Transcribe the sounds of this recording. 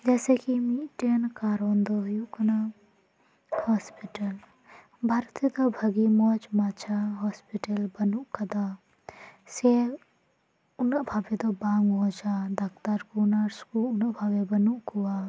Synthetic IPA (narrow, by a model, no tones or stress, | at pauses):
d͡ʒɛːsekimiʈenkaːɾoːnd̪ojukna | hɔːspiʈəl | bʱaːɾt̪it̪obʱɐɡimot͡ʃmaːt͡ʃʰaɦɔːspiʈəlbɐnuʔkɐd̪aː | se | ʊnbʱaːbet̪obaːŋɡoːt͡ʃaːd̪ɐkt̪əɾkuːnaɾskuʊnʔbʱaːʋebɐnuʔkuwaː